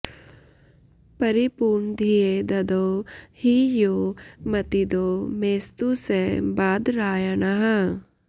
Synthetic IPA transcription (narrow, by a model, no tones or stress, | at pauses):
pɐɾipuːɾɳd̪ʱied̪ɐd̪oːhijoːmɐt̪id̪omeːst̪usebaːd̪ɾaːjɐnɐɦɐ